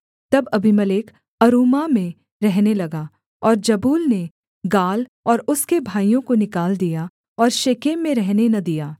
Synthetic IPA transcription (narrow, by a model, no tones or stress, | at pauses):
t̪ɐbɐbʱimɐleːk | ɐɾuːmamẽ | ɾɛɦnelɐɡa | ɔːɾd͡ʒɐbuːlne | ɡaːlɔːɾʊskebʱaːijõkonɪkaːld̪ija | ɔːɾʃeːkeːmːẽɾɛɦnenɐd̪ijaː